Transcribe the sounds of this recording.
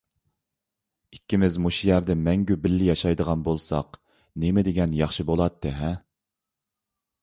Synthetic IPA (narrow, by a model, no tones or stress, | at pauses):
ikʲːimɪzmuʃjæɾd̪ɛmɛŋɡʲybɪlːɪjɑʃɑjd̪əʁɑnbolˠsɑ̰q | nemɪd̪eɡʲɛnjɑχʃɨbolˠɑt̪ʰːɨɦɛ